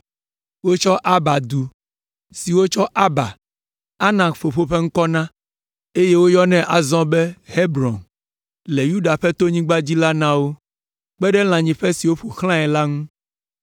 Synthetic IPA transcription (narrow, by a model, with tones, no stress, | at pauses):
wo˦t͡ʃɔ˦ʔa˦ba˨d̪u˨ | si˨wo˦t͡ʃɔ˦ʔa˦ba˨ | a˦nã˨fo˨ɸo˨ɸe˦ŋ̩˦kɔ˦nã˦ | e˦je˦wo˦jɔ˦nɛ̃˦ʔa˨zɔ̃˦be˦he˦bɾɔ̃˨n | le˨ju˦ɖa˨ɸe˦t̪o˦ɲĩ˦ɡ͡ba˦d͡ʑi˦la˦nã˦wo˦ | k͡pɛ˦ɖɛ˦l̃ã˨ɲĩ˨ɸe˦si˨wo˦ɸo˨xl̃ã˦ɛ˨la˦ŋũ˦